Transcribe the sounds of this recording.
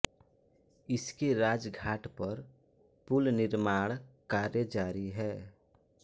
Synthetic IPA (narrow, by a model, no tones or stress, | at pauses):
ɪskeɾaːd͡ʒɡʱaːʈpɐɾ | pʊlnɪɾmaːɽ̃kaːɾjəd͡ʒaːɾiɦɛː